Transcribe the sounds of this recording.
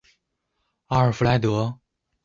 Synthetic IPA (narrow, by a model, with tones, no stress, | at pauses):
a˥˩ə˞˨˩fla˧˥ɪt̪ɤ˧˥